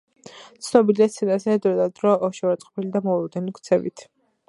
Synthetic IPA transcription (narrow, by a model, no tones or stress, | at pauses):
t̪sʰnɔbiliasʰɛnazɛd̪ɾɔd̪ad̪ɾɔɔʃɛvaɾt̪sʼqʼɔpʰilid̪amɔulɔd̪ɛnikʰt̪sʰɛvḭt̪ʰ